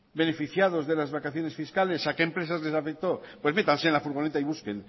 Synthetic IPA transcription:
be̞ne̞fiθjað̞o̞zðe̞lazβakaθjo̞ne̞sfiskale̞sake̞ːmpɾe̞s̬azle̞safek̚t̪o̞pwe̞zme̞t̪ansenlafuɾɣo̞ne̞t̪aiβ̞uske̞n

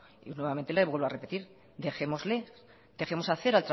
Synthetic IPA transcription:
inwe̞βamẽ̞nt̪eleβwe̞lβoare̞pe̞t̪iɾ | d̪e̞xe̞mo̞zle | d̪̥exe̞mo̞saθe̞ɾalt̪ɾa

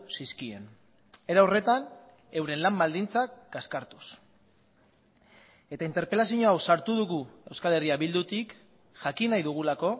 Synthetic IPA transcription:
siskie̞̰n | e̞ɾawre̞t̪an | e̞wɾe̞nlambald̪int͡sakɡaskaɾt̪u̥s | e̞t̪aint̪e̞ɾpe̞lasiɲoawsaɾt̪uðuɣue̞wskale̞riaβild̪ut̪ik | ʝakinajðuɣ̞ulako̞

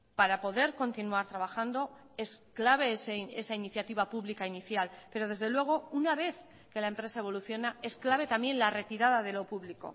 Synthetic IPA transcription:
paɾapo̞ðe̞ɾko̞nt̪inuaɾt̪ɾaβ̞axand̪o̞ | e̞sklaβ̞e̞eseesainiθjat̪iβ̞apuβlikainiθjalpe̞ɾo̞ð̞e̞zðe̞lwe̞ɣ̞o̞unaβ̞e̞θ | ke̞lae̞mpɾe̞sae̞β̞o̞luθjo̞nae̞sklaβe̞t̪amje̞nlare̞t̪iɾað̞aðe̞lo̞puβliko̞̰

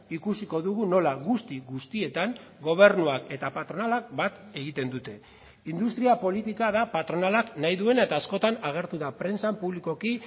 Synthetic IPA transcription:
ikusiko̞ðuɣ̞uno̞laɣust̪iɣust̪ie̞t̪aŋɡo̞β̞e̞ɾnuake̞t̪apat̪ɾo̞nalak̚bat̪e̞ɣ̞it̪e̞nd̪ut̪e̞ | ind̪ust̪ɾiapo̞lit̪ikaðapat̪ɾo̞nalaknajðue̞nae̞t̪aːsko̞t̪anaɣ̞e̞ɾt̪uðapɾe̞nsampuβliko̞ki

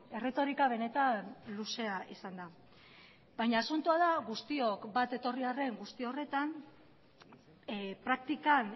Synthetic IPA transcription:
e̞re̞t̪o̞ɾikaβ̞e̞ne̞t̪anluse̞aʔisand̪a | bajɲaːsunt̪uað̞aɣust̪io̞kbat̪e̞t̪o̞riare̞ŋɡust̪io̞re̞t̪an | pɾak̚t̪ikan

